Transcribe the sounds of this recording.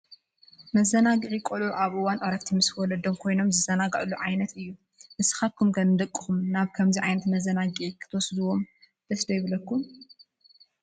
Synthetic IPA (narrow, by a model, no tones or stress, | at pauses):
mɐzɐnaɡɨʕikʼoluʔaβʔɨwanʔoɾɐkt̪ʰimɨskɨwɔlɐd̪omkʰo̞jno̞mzɨzɐnaɡɐʕluʕajnɐt̪ɨjːu | mɨsɨ̥xat̪̚kʰumkʰɐnɨd̪ɐkʼːɨ̥xumnaβkʰɐmziʕajnɐt̪mɐzɐnaɡɨʕikʰɨ̥t̪ʰɐwɔsd̪uwo̞m | d̪̥ɐsd̪ɐjβlɐkːum